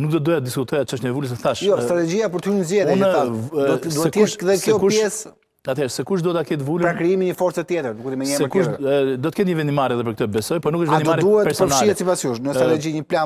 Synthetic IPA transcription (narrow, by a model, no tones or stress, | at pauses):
nuk̚d̪ɔt̪̚d̪ɔjat̪əd̪iskut̪ʰɔjat͡ʃəʃɛvuls̬ɛθaʃjɔst̪ɾat̪ɛd͡ʑiapɔɾt̪əhuɲəzɛðunad̪uɛɛʃðɛkɛɔkuʃpjɛs | at̪hɛɾsɛkuʃ̬d̪uɛt̪akɛt̪vulpɾakɾiimiɲəfɔɾt͡sɛt̪jɛt̪ɾd̪ukut̪imɛɲɛsɛɾkuʃd̪ɔt̪ə̥kɛnt̪ɲəvɛnd̪imaɾɛðɛpəɾk̚ət̪ɔbɛsɔjpɔnukəʃtvɛnimaɾd̪uɛpɛɾspɔɾnaʃliɛt̪sipasuʃnəst̪ɾat̪ɛd͡ʑiɲəplan